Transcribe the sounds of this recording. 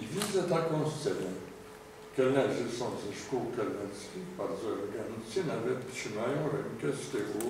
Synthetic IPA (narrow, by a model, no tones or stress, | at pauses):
ivʲid̪zɛt̪akɔ̃w̃st̪sɛnɛ | kɛlnɛzʲɘsɔ̃w̃zɛʂkuwkɛlnɛskʲixbaɾd̪zɔɛlɛɡanʲisʲinavɛt̪t̪ʂɘmajɔ̃w̃ɾɛmkɛst̪ɛɣu